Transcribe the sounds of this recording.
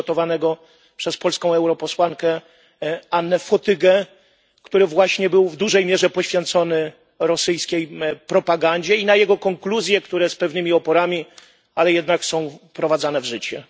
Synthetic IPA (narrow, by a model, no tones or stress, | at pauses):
ɔt̪ɔvanɛɡɔ | pʂɛspɔlskɔ̃w̃ɛwɾɔpɔswaŋkɛ | anːɛfɔt̪ɘɡɛ | kt̪uɾɘvwaɕɲɛbɘwvd̪uʐɛjmʲjɛʐɛpɔɕfʲjɛnt̪sɔnɘ | ɾɔsɘjskʲejpɾɔpaɡaɲd͡ʑɛinajɛɡɔkɔŋkluzʲjɛkt̪uɾɛspɛvnɘmʲiɔpɔɾamʲi | alɛjɛd̪naksɔ̃w̃pɾɔvad̪zanɛvʐɘt͡ɕɛ